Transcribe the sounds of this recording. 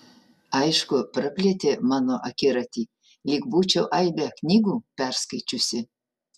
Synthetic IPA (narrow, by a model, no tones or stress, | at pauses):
ɐɪʃkʊpɾɐpʲlʲet̪ʲemɑːnoʔɐkʲɪɾɐt̪ʲiː | lʲiːkbuːt͡ʃʲɛʊʔɐɪbʲɛknʲiːɡuːpʲæɾskɐɪt͡ʃʲʊsʲɪ